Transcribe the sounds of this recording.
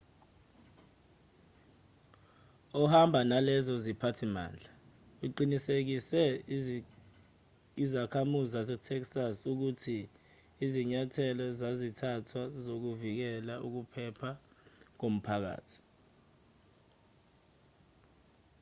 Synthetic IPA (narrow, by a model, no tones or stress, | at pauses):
ɔhambʱanalɛzɔzipʰatʰima̰ːnd͡ɮʱa | uǃinisek̬isɛ | izakʰamuziasɛtʰɛksasuk̬utʰiː | ziɲatʰɛlɔzazitʰatʰwazok̬uvik̬ɛlauk̬upʰɛpʰa | k̬om̩pʰak̬a̰ːtʰi̥